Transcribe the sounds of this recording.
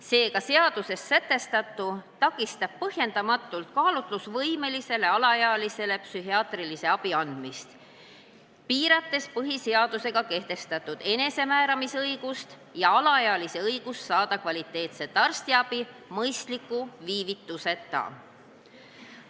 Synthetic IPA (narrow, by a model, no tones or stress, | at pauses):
se̞ːkɑse̞ɑd̪̥use̞sːæt̪ːˑe̞st̪ɑt̪ːˑut̪ɑkːˑist̪ɑb̥̚pɤhje̞nd̪ɑmɑt̪ːˑult̪̚kɑːlut̪lusvɤjme̞lise̞le̞ɑlɑjɑlise̞le̞psyɦiɑːt̪rilise̞ɑb̥iɑnd̪̥mist̪ | piːɾɑt̪ːˑe̞spɤɦise̞ɑd̪̥use̞ɡ̥ɑke̞ht̪e̞st̪ɑt̪ːˑud̪̥e̞ne̞se̞mæːɾɑmisɤjɡ̥ust̪ | jɑɑlɑjɑlise̞ɤjɡ̥ussɑːd̪̥ɑkvɑlit̪ːˑe̞ːt̪se̞t̪ːɑrst̪iɑb̥imɤjst̪likːˑuviːvit̪ːˑuse̞t̪ːɑ̰